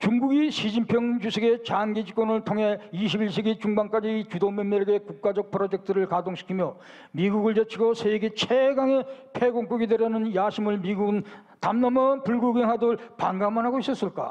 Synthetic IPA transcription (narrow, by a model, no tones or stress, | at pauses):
t͡ɕuŋɡuɡiɕʰid͡ʑimpʰjʌŋd͡ʑusʰeɡe̞t͡ɕaŋɡid͡ʑik͈ʌnɯɭtʰoŋɦe̞iɕʰibiɭɕ̬ʰiɡit͡ɕuŋbaŋk͈ad͡ʑiːt͡ɕudomjʌmːʌɾeɡe̞kuk̚k͈ad͡ʑʌk̚pʰɯɾod͡ʑek̚tʰɯɾɯɭkadoŋɕʰi̥kʰimjʌ | miɡuɡɯɭt͡ɕet͡ɕʰiɡosʰeɡet͡ɕʰeɡaŋe̞pʰeɡoŋk͈oɡideɾanɯnjaɕʰimɯɭmiɡuɡɯn | tamnʌmʌpuɭɡuɡeŋɦadɯɭpaŋɡamanɦaɡois͈ʌs͈ɯɭk͈a̰